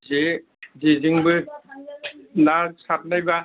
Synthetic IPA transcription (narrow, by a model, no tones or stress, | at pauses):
ze | ziziŋbɯ | nasʰat̚najba